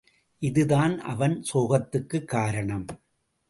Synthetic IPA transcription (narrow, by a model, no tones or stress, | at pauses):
ʔɪðɯðaːnʔɐ̰ʋɐnsoːɣɐt̪ːɯkːɯkːaːɾɐɳɐm